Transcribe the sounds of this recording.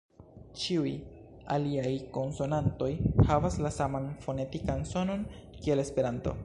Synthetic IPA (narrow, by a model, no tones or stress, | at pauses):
t͡ʃiuj | a̰liajko̞nso̞nanto̞jhavaslasamanfo̞ne̞tikanso̞no̞nkie̞le̞spe̞ɾanto̞̰